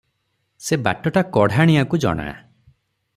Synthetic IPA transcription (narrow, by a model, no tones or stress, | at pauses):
seba̰ʈɔʈakɔɽ̤ʱaɽ̃iakud͡ʒɔ̰ɽ̃a̰